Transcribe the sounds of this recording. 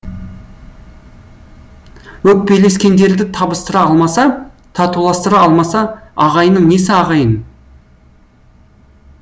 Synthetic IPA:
wɵk̚pe̞jle̞skʲe̞nd̪e̞ɾd̪ɪt̪ʰɑbəst̪əɾɑɑlˠmɑsɑt̪ʰɑt̪ulˠɑst̪əɾɑɑlˠmɑsɑɑʁɑjnəɴne̞sɪɑʁɑjən

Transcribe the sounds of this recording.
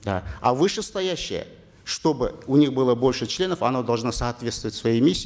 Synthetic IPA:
d̪a̰ɐ̰vɨʂɨst̪ɐjæɕːɪ̰jə̰ | ʂt̪o̞bɨʊnʲixbɨlˠəbo̞lʲʂɨt͡ɕlʲe̞nəfɐnod̪ɐlˠʐnasɐːt̪vʲe̞t̪st̪vəvətʲsvɐjimʲisʲː

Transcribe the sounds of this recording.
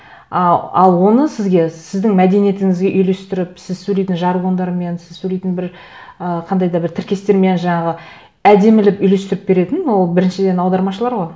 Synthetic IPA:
ɑɑlˠwo̞nəsɪzɡʲe̞sɪzd̪ɪŋmæd̪e̞nije̞t̪ɪŋɪzɡʲeʔʏjle̞st̪ɪɾɪpsɪzsɵlejt̪ɪnʒɑɾʁo̞nd̪ɑɾme̞nsɪzsɵlejt̪ɪnbɪɾ | əqʰɑnd̪ɑjd̪ɑbɪɾt̪ʰɪɾkʲe̞st̪e̞ɾme̞nʒɑɴɑʁə | æd̪e̞mɪlɪpʏjle̞st̪ɪɾɪp̚be̞ɾe̞t̪ɪnwo̞lˠbɪɾɪnʃɪd̪e̞nɑwd̪ɑɾmɑʃəlˠɑɾʁoj

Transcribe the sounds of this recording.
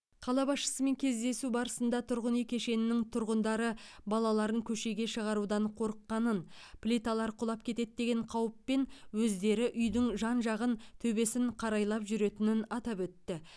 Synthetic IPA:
qʰɑlˠɑbɑsʃə̥səme̞ŋkʲʰe̞zd̪e̞subɑɾəsənd̪ɑt̪ʰʊɾʁənijkʲʰe̞ʃe̞nɪnɪŋt̪ʰʊɾʁənd̪ɑɾəbɑlˠɑlˠɑɾəŋkʲʰɵʃe̞ɡʲe̞ʃəʁɑɾud̪ɑɴqʰo̞ɾəqːɑnənpʰlʲit̪ɑlˠɑɾqʰʊlˠɑp̚kʲʰe̞t̪e̞d̪̚d̪e̞ɡʲe̞ɴqʰɑwəpːe̞nwɵzd̪e̞ɾɪʔʏjd̪ɪŋʒɑnʒɑʁənt̪ʰɵbe̞sɪɴqʰɑɾɑjlˠɑpʒʏɾe̞t̪ɪnɪnɑt̪ɑpwɵt̪ːɪ

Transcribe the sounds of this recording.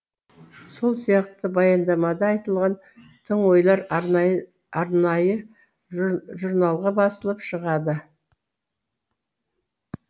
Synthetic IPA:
so̞lˠsijɑq̚t̪əbɑjɑnd̪ɑmɑd̪ɑːjt̪əlˠʁɑn | t̪ʰəɴwo̞jlˠɑɾ | ɑɾnɑjə | ʒuɾnɑlˠʁɑbɑsəlˠəpʃəʁɑd̪ə

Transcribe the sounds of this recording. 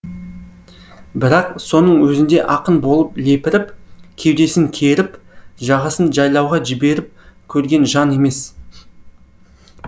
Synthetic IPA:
bɪɾɑqso̞nəɴwɵzɪnd̪e̞ʔɑqənbo̞lˠəple̞pɪɾɪpkʲʰe̞wd̪e̞sɪŋkʲʰe̞ɾɪpʒɑʁɑsənʒɑjlˠɑwʁɑʒɪbe̞ɾɪp̚kʲʰɵɾɡʲe̞nʒɑne̞me̞s

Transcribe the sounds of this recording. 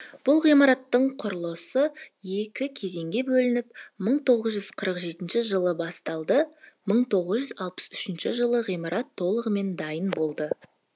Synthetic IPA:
b̥ʊlˠʁijmɑɾɑt̪ːəɴqʰʊɾlˠəsəje̞kʲɪkʲʰe̞ze̞ŋɡʲe̞bɵlɪnɪp̚məɴt̪ʰo̞ʁəzʒʏzqʰəɾəqʒe̞t̪ɪnʃɪʒəlˠəbɑst̪ɑlˠd̪əməɴt̪ʰo̞ʁəzʒʏzɑlˠpə̥sʏʃɪnʃɪʒəlˠəʁijmɑɾʔɑt̪ʰːo̞lˠəʁəme̞nd̪ɑjənbo̞lˠd̪ə

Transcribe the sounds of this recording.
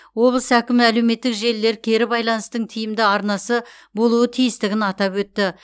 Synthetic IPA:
wo̞blˠəsækʲɪmɪælewme̞t̪ːɪkʒe̞lːe̞ɾkʲʰe̞ɾɪbɑjlˠɑnəst̪əɴt̪ʰijɪmd̪ɪɑɾnɑsə | bo̞lˠuət̪ʰijɪst̪ɪɡʲɪnɑt̪ɑpwɵt̪ːɪ

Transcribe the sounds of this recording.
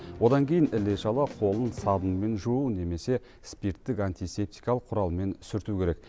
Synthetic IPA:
wo̞d̪ɑŋkʲʰe̞jɪnɪle̞ʃɑlˠɑqʰo̞lˠənsɑd̪ənme̞nʒuune̞me̞se̞ | spiɾt̪ːɪkant̪ijse̞p̚t̪i̥jkɑlˠəqʰːʊɾɑlˠme̞nsʏɾt̪ukʲʰe̞ɾe̞k̚

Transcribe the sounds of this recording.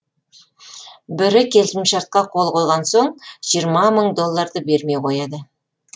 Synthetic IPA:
bɪɾɪkʲʰe̞lsɪmʃɑɾt̪̚qɑqʰo̞lˠqʰolˠʁɑnso̞ɴʒ̥ijəɾmɑməɴd̪o̞lˠːɑɾd̪əbe̞ɾme̞jqʰo̞jɑd̪ə

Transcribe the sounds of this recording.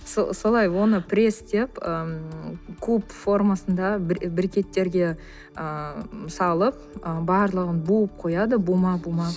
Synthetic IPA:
so̰so̞lˠɑjwo̞nəpʰɾʲe̞st̪e̞pə | kʰɵpfo̞rmasənd̪ɑbbɪɾkʲe̞t̪ːe̞ɾɡʲe̞ | əməsɑlˠəp̚ | əbɑɾlˠəʁənbuəp̚qʰo̞jɑd̪əbumɑbumɑ

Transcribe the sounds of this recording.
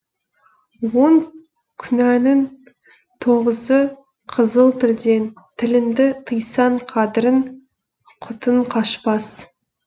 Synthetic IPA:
wo̞ŋ | kʲʰʏnænɪn | t̪ʰo̞ʁəzə | qʰəzəlˠt̪ʰɪld̪e̞n | t̪ʰɪlɪnd̪ɪt̪ʰəjsɑɴqʰɑd̪ɪɾɪn | qʰʊt̪əɴqʰɑʃpɑs

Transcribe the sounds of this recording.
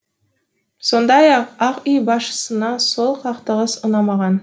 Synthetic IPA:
so̞nd̪ɑjɑqɑqʏjbɑsʃə̥sənɑso̞lˠqʰɑqt̪əʁəsənɑmɑʁɑn

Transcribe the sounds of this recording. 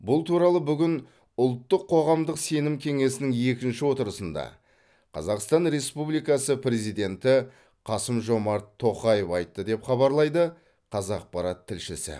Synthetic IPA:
bʊlˠt̪ʰuɾɑlˠəbʏɡʲɪn | ʊlˠt̪ːəqʰːo̞ʁɑmd̪əqse̞nɪmkʲʰe̞ŋe̞sɪnɪŋe̞kʲɪnʃɪwo̞t̪əɾəsənd̪ɑ̰ | qʰɑ̰zɑqst̪ɑnɾe̞spublijkɑsəpre̞zijd̪e̞nt̪ɪ | qʰɑsəmʒo̞mɑɾt̪ʰːo̞qɑjefɑjt̪ːəd̪e̞pχɑβɑɾlˠɑjd̪ə | qʰɑzɑq̚pɑɾɑt̪ʰːɪlʃɪsɪ̰

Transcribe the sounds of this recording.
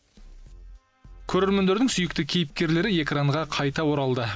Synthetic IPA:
kʲʰɵɾeɾmend̪e̞ɾd̪ɪŋsʏjɪk̚t̪ɪkʲʰe̞jɪp̚kʲe̞ɾle̞ɾɪe̞kraɴʁɑqʰɑjt̪ɑwo̞ɾɑlˠd̪ə

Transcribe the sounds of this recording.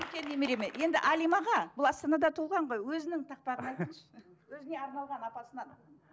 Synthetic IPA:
ʏlkʲe̞nːemeɾe̞met̪je̞nd̪ɪ̰ʔɑlʲijmɑʁɑbʊlˠɑst̪ɑnɑd̪ɑt̪ʰulˠʁɑɴʁo̞jwɵzɪnɪŋt̪ʰɑq̚pɑʁənɑjt̪ənʃ | wɵzɪne̞ɑɾnɑlˠʁɑnɑpɑsənɑn

